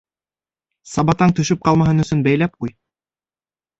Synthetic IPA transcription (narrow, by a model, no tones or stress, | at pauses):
sɑbɑt̪ɑŋt̪ɵ̆ʃɵp̚qɑlˠmɑɦɤnɵ̆sɵnbæjlæp̚quj